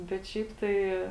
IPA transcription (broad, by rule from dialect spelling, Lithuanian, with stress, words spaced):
bʲɛt ˈʃʲɛɪp ˈtɐɪ